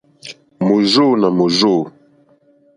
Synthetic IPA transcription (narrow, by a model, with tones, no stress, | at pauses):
mo˨zo˦˨na˨mo˨zo˦˨